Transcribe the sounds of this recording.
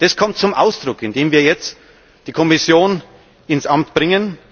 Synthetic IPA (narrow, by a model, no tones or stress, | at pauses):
d̥ɐskʰɔmtt͡sʊmʔaʊsd̥ʁʊkɪndeːmviːɐjɛt͡st | d̥iːkʰɔmɪsjoːn | ɪnsʔamtb̥ʁɪŋən